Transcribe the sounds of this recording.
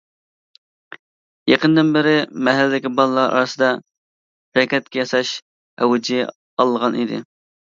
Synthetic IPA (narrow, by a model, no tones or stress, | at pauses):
jeqʰənd̪ɪnbɪɾɪmɛɦælːɪd̪ɪkʲibɑlˠəlˠɑɾʔɑ̰ɾɨsɨd̪ɑ | ɾɛkʲɛt̪̚kʲɛjɑsɑʃ | ɛ̰wd͡ʒi | ɑlˠːəʁɑnid̪ɪ̰